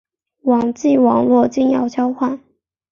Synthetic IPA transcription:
wɑ˨˩ŋt͡ɕi˥˩wɑ˨˩ŋlwɔ˥˧t͡ɕi˥˩ŋjɑ˨˩ʊt͡ɕʰjɑ˥ʊxwa˥˩n

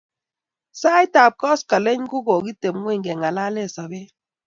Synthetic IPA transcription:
sa˦jta˨p̚kɔ˦ska˨le˦ɲ˦ku˦ɡo˨ɡi˦te˨m˦ŋwe˦˨ŋɡɛ˨ŋa˨la˦le˦˨sɔ˨be˦

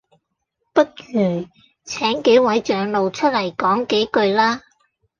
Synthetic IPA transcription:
pɐ˥t̚jyː˨˩ | t͡sʰɛː˨˥ŋke˨˥jwɐ˨˥jt͡ʃœː˨˥ŋlo˨˧wt͡ʃʰɵ˥t̚lɐ˨˩jkɔː˨˥ŋke˨˥jkɵ˧ɥlaː˥

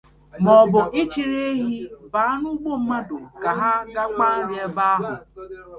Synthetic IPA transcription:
mɔ˨bʊ˨ʔɪ˦t͡ʃi˨ɾe˦ɦi˦ba˨˦nʊ˦ɡ͡bo˦m̩˦ma˦dʊ˨ka˨ɦa˦ɡa˦k͡pa˦ɾje˦ba˦a˦ɦʊ˨

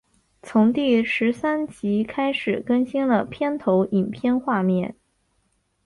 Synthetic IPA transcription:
t͡sʰʊ˧˥ŋt̪i˥˩ʂɻ̩˧˥sa˥nt͡ɕi˧˥kʰa˥ɪʂɻ̩˨˩kə˥nɕi˥nlə˨pʰjɛ˥nt̪ʰo˧˥ʊʔi˨˩npʰjɛ˥nxwa˥˧mjɛ˥˩n

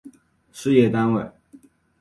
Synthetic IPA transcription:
ʂɻ̩˥jɛ˥˩t̪a˥nwe˥˩ɪ

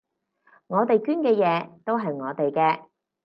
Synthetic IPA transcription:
ŋɔː˨˧t̪e˨jkyː˥nkɛː˧jɛː˨˧t̪o˥wɦɐ˨jŋɔː˨˧t̪e˨jkɛː˧

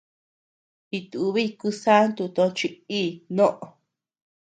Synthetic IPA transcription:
i˧t̪u˨u˧βi˦˧ku˧sa˦nt̪u˧t̪õ˧t͡ʃi˧i˦˨nõ˦ʔo˨˧˨

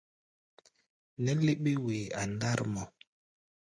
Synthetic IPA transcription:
nɛ˦le˦ɓe˦we˨a˨nda˦ɾmɔ˨

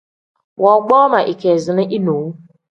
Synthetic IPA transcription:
wɔ˨ɡ͡bɔː˦ma˨ʔi˨ke˨zɪ˨nɪ˦ʔi˦nu˨wu˦

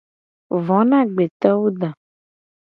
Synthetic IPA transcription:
vɔ̃˨˦nã˦ɡ͡be˨t̪ɔ˦wo˦ɖa˨

